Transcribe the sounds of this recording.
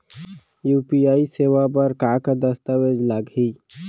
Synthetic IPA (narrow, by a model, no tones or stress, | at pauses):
jupiaːisewap̬əɾkaked̪əst̪əwed͡ʒlaɡɦi